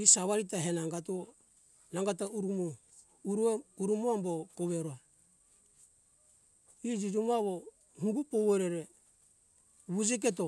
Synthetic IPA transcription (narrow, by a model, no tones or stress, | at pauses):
isaβaɾit̬aɦenaŋɡatuo | naŋɡatauɾumo | uɾueuɾumuambokoβeɾoa | id͡ʒid͡ʒumuaβo | huɡupoweɾeɾe | βud͡ʒik̬et̬o